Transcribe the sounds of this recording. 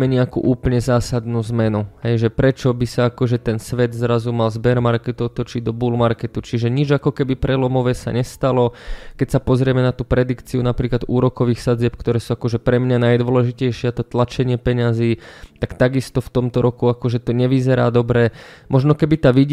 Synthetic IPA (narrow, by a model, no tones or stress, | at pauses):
mɛɲɛakṵːʔuːpəlɲɛzaːsad̪nuːzmɛnuɦɛjʒɛpɾɛt͡ʃɔbisaakɔʒɛt̪ɛnsʋɛd̪zɾazumalzbɛɾmaɾkɛt̪ut̪ɔt͡ʃiɟd̪ɔbuːlmaɾkɛt̪ut͡ʃiʒɛɲid͡ʒakɔkɛbipɾʔɛlɔmɔʋɛsa̰ɲɛst̪alɔkɛcsapɔzɾɪɛmɛnat̪uːpɾɛd̪ikt͡siunapɾiːklad̪uːɾɔkɔʋiːxsad͡zɪɛp̚kt̪ɔɾɛːsuːakɔʒɛpɾɛmɲanajd̪ʋɔlɛʒicɛjʃɪɛt̪ɔt̪lat͡ʃɛɲɪɛpɛɲaziːt̪akt̪aɡist̪ɔft̪ɔmt̪ɔɾɔkuakɔʒɛt̪ɔɲɛʋizɛɾa̰ːd̪ɔbɾɛmʔɔʒnɔkɛbit̪aːʋiɟ